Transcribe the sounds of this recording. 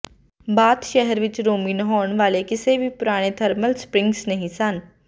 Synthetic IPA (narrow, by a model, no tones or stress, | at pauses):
baːt̪ʃɛɦɛɾʋɪt͡ʃɾoːminəɦoːəɳ̃ʋaːlekɪsebʱipʊɾaːɽ̃et̪ʰəɾməlspɾɪ̃ŋɡsnəɦĩsən